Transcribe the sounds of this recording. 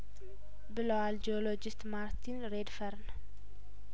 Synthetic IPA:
bɨlowald͡ʒolod͡ʒɪst̪maɾt̪ʰinɾed̪fɐɾn

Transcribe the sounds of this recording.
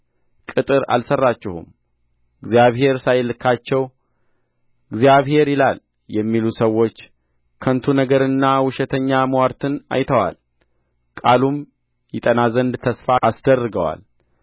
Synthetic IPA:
kʼɨt̪ʼɨɾa̰lsərːat͡ʃːɪhṵm | ɪɡzjaβhe̞ɾsajlɨkʰːat͡ʃːɛw | ɡzijaβhe̞ɾɪlal | jɛmːilusəwːo̞t͡ʃː | kʰənt̪ʰunəɡəɾɨnːawʊʃɛt̪ʰəɲːaməwaɾt̪ʰɨna̰jt̪ʰəwa̰l | kʼalum | jɪt̪ʼənazənd̪t̪ʰəsfaʔːsd̪ərːɨɡəwa̰l

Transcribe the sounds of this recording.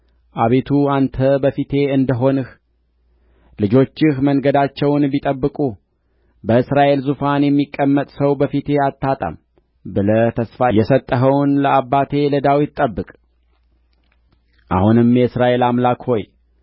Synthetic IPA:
ʔaβe̞t̪ʰuant̪ʰəbəfit̪ʰe̞ɨnd̪əɦo̞nɨh | lɨd͡ʒo̞t͡ʃːɪhməŋɡəd̪at͡ʃːɛwnbit̪ʼəbːɨkʼu | bəɨsɾaʔe̞lzufanjɛmːikʼːəmːət̪ʼsəwbəfit̪ʰe̞at̪ʰːat̪ʼə̰m | bɨlət̪ʰəsfajɛsət̪ʼːəɦəwnləabːat̪ʰe̞ləd̪awid̪t̪ʼːəbːɨkʼ | ʔa̰hunɨmjɛɨsɾaʔe̞lamlakho̞j

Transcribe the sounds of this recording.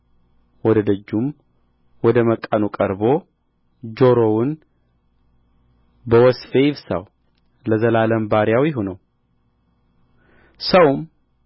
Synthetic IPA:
wɔd̪əd̪əd͡ʒːum | wɔd̪əməkʼːanukʼəɾbo̞ | d͡ʒoɾowʊn | bəwɔsfejɪβsa̰w | ləzəlaləmbaɾjawjɪɦunəw | səwm

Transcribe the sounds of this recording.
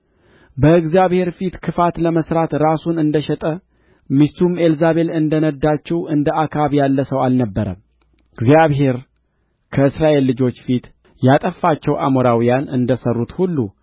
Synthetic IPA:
bəɨɡzjaβhe̞ɾfit̪kʰɨfat̪ləməsɾat̪ɾasunɨnd̪əʃɛt̪ʼə | mist̪ume̞lzaβe̞lɨnd̪ənəd̪ːat͡ʃːɛwɨnd̪əakʰaβjalːəsəwalnəbːəɾə̰m | ɨɡzijaβɦe̞ɾ | kʰəɨsɾaʔe̞lːɨd͡ʒo̞t͡ʃːfit̪ | jat̪ʼəfːat͡ʃːɛwʔa̰moɾawijanɨnd̪əsərːut̪hulːṵ

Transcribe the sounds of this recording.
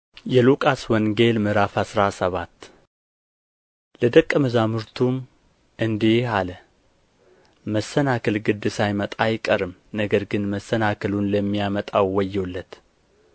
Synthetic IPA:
jɛlukʼaswɔŋɡe̞lmɨɾafasɾasəβat̪ː | ləd̪əkʼːəmɨzamɨɾt̪ʰum | ʔɨnd̪ealə | məsːənakʰəlɡɨd̪ːɨsajmət̪ʼajkʼəɾɨmnəɡəɾɡɨnməsːənakʰəlunləmːijamət̪ʼawwɔjːɛlːət̪

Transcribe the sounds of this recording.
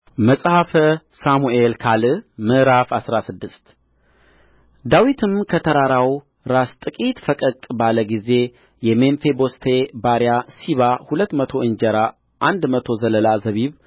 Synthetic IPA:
məsʼhafə | samuelkʰalɨmɨʔɾafasɾasɨd̪ːɨst̪ | d̪awit̪ʰɨmkʰət̪ʰəɾaɾaw | ɾast̪ʼɨkʼit̪fəkʼəkʼbaləɡize̞ | jɛmenfebo̞st̪ʰebaɾjasiβahulət̪ːmət̪ʰo̞ɨnd͡ʒɛɾa | ʔand̪mət̪ʰo̞zələlazəβiβ

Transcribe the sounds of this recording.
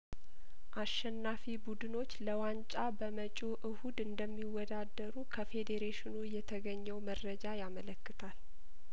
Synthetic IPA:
ʔaʃːɛnːafibud̪ɨno̞t͡ʃːləwant͡ʃʼabəmət͡ʃʼoʔɨhud̪ɨnd̪əmːiwːɔd̪ad̪ːəɾukʰəfe̞d̪eɾeʃɪnujɛt̪ʰəɡəɲːɛwmərːəd͡ʒajamələkːɨt̪ʰal

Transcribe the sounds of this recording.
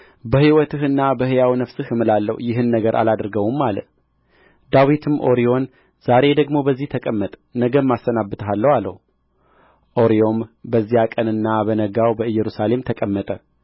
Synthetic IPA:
bəhiwɔt̪ʰɨhɨnːabəhɨjawnəfsɨhɨmɨlalːə̰hjɪɦɨnːəɡəɾʔa̰lad̪ɾɡəwumːalə̰ | d̪awit̪ʰɨmʔo̞ɾijo̞n | z̥aɾe̞d̪əɡmo̞bəzːiht̪ʰəkʼəmːət̪ʼnəɡəmːasːənabːət̪ʰəɦalːəhwalːə̰hu | ʔo̞ɾijo̞mbəzːijakʼənɨnːabənəɡawbəɨjːɛɾusale̞mt̪ʰəkʼəmːət̪ʼə

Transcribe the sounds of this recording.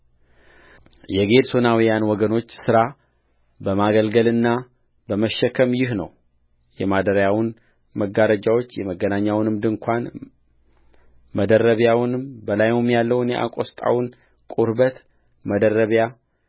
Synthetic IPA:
jɛɡe̞d̪sonawijanwɔɡəno̞t͡ʃːsɨɾa | bəmaɡəlɡəlɨnːa | bəməʃːɛkʰəmjɪɦnə̰w | jɛmad̪əɾəjawn | məɡaɾəd͡ʒawo̞t͡ʃːjɛməɡːənaɲːawnɨmd̪ɨŋkʷʰan | məd̪ərːəβjawnɨmbəlajmumjalːəwɨnjɛʔa̰kʷʼost̪ʼa̰wn | kʼuɾbət̪ | məd̪ərːəβja

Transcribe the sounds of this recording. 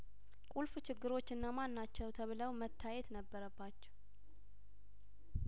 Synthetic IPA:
kʼulft͡ʃʰɪɡːɨɾo̞t͡ʃːɨnːamanːat͡ʃːɛwt̪ʰəβɨləwmət̪ʰːajɛt̪nəbːəɾəbːat͡ʃːɛ̥

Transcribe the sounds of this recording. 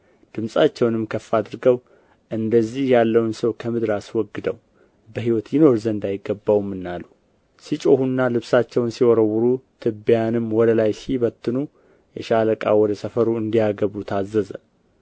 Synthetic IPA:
d̪̥ɨmsʼat͡ʃːɛwnɨmkʰəfːad̪ɨɾɡəw | ʔɨnd̪əzːihjalːəwunsəwkʰəmɨd̪ɾaswɔɡːɨd̪əw | bəɦiwɔt̪jino̞ɾzənd̪ajɪɡːəbːawmːɨnːalːu | sit͡ʃʼo̞hunːalɨβsat͡ʃːɛwnsiwɔɾəwːuɾut̪ʰɨbijanɨmwɔd̪əlajsiβət̪ʰːɨnu | jɛʃaləkʼa̰wɔd̪əsəfəɾuɨnd̪ijaɡəβut̪ʰazːəzə̰

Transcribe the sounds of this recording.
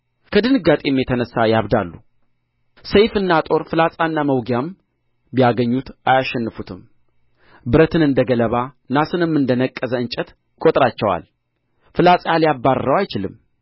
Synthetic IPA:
kʰəd̪ɨnɨɡat̪ʼemːjɛt̪ʰənəsːajaβd̪a̰lːu | səjfɨnːat̪ʼo̞ɾfɨlasʼanːaməwɡjam | bijaɡəɲːut̪ajaʃːɛnːɨfut̪ʰɨm | bɨɾət̪ʰɨnɨnd̪əɡələβa | nasɨnɨmːɨnd̪ənəkʼːəzəɨnt͡ʃʼɛt̪ | kʼot̪ʼɾat͡ʃːɛwa̰l | fɨlat͡sʼjaljabːaɾɾəwajt͡ʃɪlɨ̰mː

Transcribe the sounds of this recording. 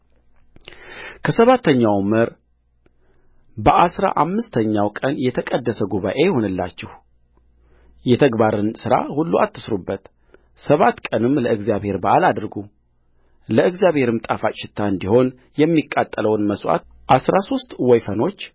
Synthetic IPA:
kʰəsəβat̪ʰːəɲːawməɾ | bəʔasɾa̰ʔamːɨst̪ʰəɲːawkʼənjɛt̪ʰəkʼəd̪ːəsəɡuβa̰ʔe̞jɛho̞nɨlːa̰t͡ʃːɛh | jɛt̪ʰəɡbaɾɨnsɨɾa̰hulːuʔa̰t̪ːɨsɾubːət̪ | səβat̪ːkʼənɨmləɨɡzjaβhe̞ɾbəʔalad̪ɾɡu | ləɨɡzijaβhe̞ɾɨmt̪ʼafaʃɪt̪ʰːaɨnd̪iho̞n | jɛmːikʼːat̪ʼːələwnməswʔa̰t̪ | ʔasɾaso̞st̪ʼwɔjfəno̞t͡ʃː

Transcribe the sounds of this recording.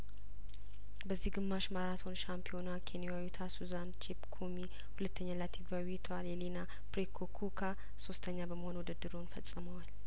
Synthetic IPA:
bəzːihɡɨmːaʃmaɾat̪ʰo̞nʃampʰio̞nakʰenijawut̪ʰasuzant͡ʃʰepkʰomi | hulət̪ʰːəɲːalat̪ʰivawit̪ʰoalelina | pɾekʰokʰukʰa | so̞st̪ʰəɲːabəməho̞nwɔd̪əd̪ːɨɾonfəsʼːɨməwal

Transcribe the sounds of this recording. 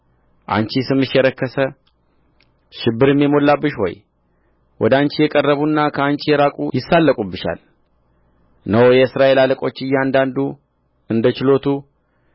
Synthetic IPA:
ʔa̰nt͡ʃisɨmːɨʃjɛɾəkːəsə | ʃɪbːɨɾɨmːjɛmo̞lːabːɨʃho̞̰j | wʔɔd̪əant͡ʃijɛkʼərːəβunːakʰəant͡ʃijɛɾakʼṵjɪsːalːəkʼubːɨʃa̰l | nəwjɛɨsɾaʔe̞laləkʼo̞t͡ʃːɨjːand̪and̪u | ɨnd̪ət͡ʃɪlo̞t̪ʰu

